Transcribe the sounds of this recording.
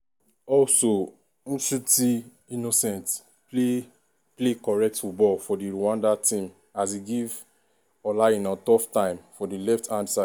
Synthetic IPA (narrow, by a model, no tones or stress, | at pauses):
ɔlso | ñ̩tuti | inosɛ̃nt | ple | plekɔɹɛk̚tfut̚bɔlfɔdiɹuwãndatĩm | as̬iɡiv | ɔlaĩnatɔftãɪ̃mfɔdilɛftʰãndsaɪ